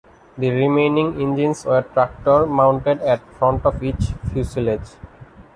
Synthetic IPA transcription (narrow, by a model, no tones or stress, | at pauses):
d̪iɾimẽnĩŋẽnd͡ʒĩnseɾʈɾak̚ʈoɾmãʊ̃ɳʈeɖɛʈfɾɔ̃ɳʈɔfit͡ʃfjusiled͡ʒ